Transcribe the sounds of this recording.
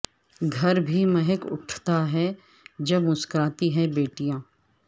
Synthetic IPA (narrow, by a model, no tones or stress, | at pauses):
ɡʱɐɾbʱimɐɦɛkʊ̰ʈʰt̪aɦɛ | d͡ʒɐbmʊskɾaːt̪iɦɛ̃beːʈijãː